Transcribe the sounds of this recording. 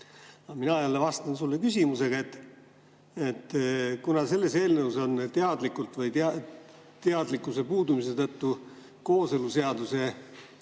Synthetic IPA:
ɑminɑɑjɑlːevɑst̪ɑnsulːekysʲimuse̞ɡ̥ɑe̞t̪ː | et̪ːkunɑse̞lːe̞se̞ːlnewuso̞nt̪eɑd̪likːˑult̪vɤjt̪eɑ | t̪eɑd̪likːˑuse̞puːd̪umise̞t̪ɤt̪ːu | ko̞ːseluse̞ɑd̪use̞

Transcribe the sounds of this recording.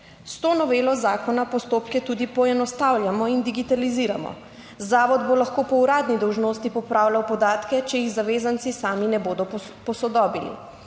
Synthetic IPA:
st̪oːnɔʋeːlɔzaːkɔnapɔst̪oːpkɛt̪uːd̪ipɔɛnɔst̪awlʲjamɔind̪iɡit̪aliziːɾa̰mɔ̰ | zaːʋɔd̪bolaxkoːpɔuɾaːd̪nid̪ɔwʒnoːst̪ipɔpɾaːwlʲawpɔd̪aːt̪kɛt͡ʃɛjiɣzaʋeːzant̪sisaːminɛboːd̪ɔ | pɔsɔd̪ɔːbilḭ

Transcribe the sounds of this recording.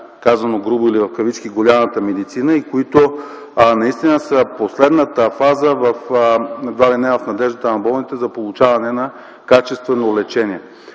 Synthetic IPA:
kazɐnoɡɾubʊilivɐfkɐvit͡ʃkiɡolʲamət̪əmɛd̪it̪sinəikoit̪o | nɐist̪inəsəposlɛd̪nət̪əfazəvɐfnɐd̪valinɛvɐfnɐd̪ɛʒd̪ət̪ənɐbɔlˠnit̪ɛzɐpolˠut͡ʃavɐnɛnɐ | kat͡ʃɛst̪vɛnolɛt͡ʃɛniɛ

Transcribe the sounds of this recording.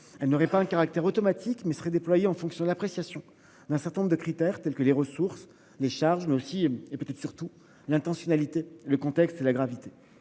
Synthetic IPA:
ɛlnɔʁɛpaɛ̃kaʁak̚t̪ɛʁot̪ɔmat̪ʰikmɛsə̥ʁɛd̪eplwajeɑ̃fɔ̃ksjɔ̃d̪əlapχesjasjɔ̃ | d̪ɛ̃sɛʁt̪ɛnɔ̃ʁd̪əkχit̪ɛʁt̪ɛlkəleʁəsuʁs | leʃaʁʒmɛosiepøt̪ɛt̪χsyʁt̪u | lɛ̃t̪ɑ̃sjɔnalit̪eləkɔ̃t̪ɛkst̪elaɡʁavit̪e

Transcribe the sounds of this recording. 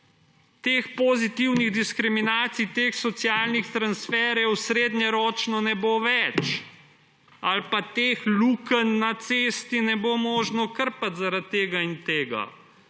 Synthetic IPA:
t̪eːxpɔzit̪iwniɣd̪iskɾiminaːt̪sijt̪eːxsɔt̪sjaːlnixt̪ɾansfɛːɾjɛwsɾeːd̪ɲɛɾɔːt͡ʃnɔnɛboʋɛt͡ʃ | alpat̪eːxlukənːat̪sest̪inɛbomoːʒnɔkəɾpat̪zaɾat̪ːeːɡaint̪eːɡa̰

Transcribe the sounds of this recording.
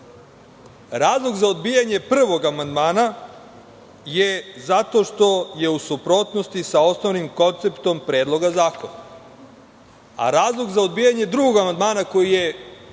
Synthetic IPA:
ɾaːzlˠoɡzaod̪bijaɲe̞pr̩ʋo̞ɡamand̪maːna | je̞zat̪o̞ʃt̪o̞je̞usupɾo̞t̪no̞st̪isao̞snoʋnimko̞nt̪se̞pt̪o̞mpɾe̞ːd̪lˠo̞ɡazaːkona | a̰ɾaːzlˠoɡzaod̪bijaɲe̞d̪ɾuɡoɡamand̪maːnako̞jije̞

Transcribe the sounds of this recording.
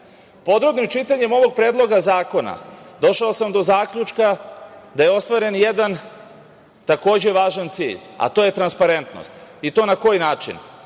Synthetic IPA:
po̞d̪ɾobnimt͡ʃit̪aɲe̞mo̞ʋo̞ɡ̚pɾe̞ːd̪lˠo̞ɡazaːko̞na̰d̪o̞ʃaosamd̪o̞zaːkʎut͡ʃkad̪aje̞o̞st̪ʋaɾe̞njed̪an | t̪ako̞ːd͡ʑe̞ʋaːʒant̪sḭːʎa̰t̪o̞je̞t̪ɾanspaɾe̞nt̪no̰st̪it̪o̞ːnako̞jnaːt͡ʃḭn

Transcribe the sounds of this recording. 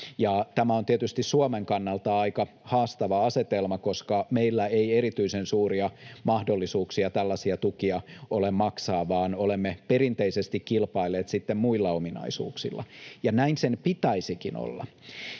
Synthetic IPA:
jɑt̪æmæont̪iet̪yst̪issuomeŋkɑnːɑlt̪ɑɑikɑ | hɑːst̪ɑʋɑɑset̪elmɑkoskɑmeilːæeieɾit̪yisensuːriɑmɑhdolːisuːksiɑt̪ælːɑsiɑt̪ukiɑolemmɑksɑːʋɑːnolemːepeɾint̪eisest̪ikkilpɑileːt̪sit̪ːemmuilːɑominɑ̰isṵːksḭlːɑ̰jɑnæinsenpit̪ɑisikino̰lːɑ̰

